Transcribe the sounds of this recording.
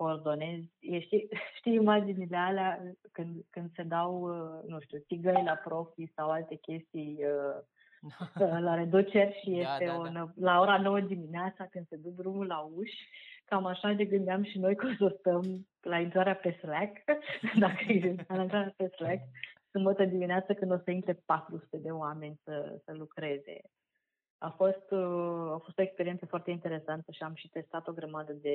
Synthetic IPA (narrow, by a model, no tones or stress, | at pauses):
koːrd̪o̞ne̞zʲjeʃt̪iʃt̪ijimad͡ʒinile̞aleakɨnd̪kɨnd̪se̞d̪awənuʃt̪usiɡəjlapɾo̞fisawalt̪e̞kʲe̞st̪ijə | əlaɾed̪ut͡ʃe̞rʲʃije̞st̪e̞onolao̞ɾano̞wəd̪imineat̪sakɨnd̪se̞d̪uk̚d̪ɾumulauʃʲkamaʃaneɡɨnd̪eamʃino̞jko̞nsurt̪əm | laint̪ɾaɾeapeslakd̪akəealaint̪ɾaɾeapeslaksumbət̪əd̪imineat̪səkɨnd̪o̞səint̪ɾe̞pat̪ɾusu̥t̪e̞d̪e̞oame̞nʲsəsəlukɾe̞ze̞̰ | a̰fo̞st̪afo̞st̪o̞e̞kspeɾientsəfoart̪eint̪e̞ɾe̞sant̪əʃiamʃi̥t̪e̞st̪at̪o̞ɡɾəmad̪əd̪e̞